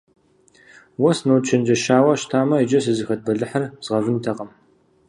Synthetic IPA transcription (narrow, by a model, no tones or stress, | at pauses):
wɔsnowt͡ʃʰɐnd͡ʒɐʃaːwɐʃtʰaːmɐid͡ʒɐs̬ɨzɨxɐt̚bɐɮɨħɐrzʁɐvɨntʰɐqɐm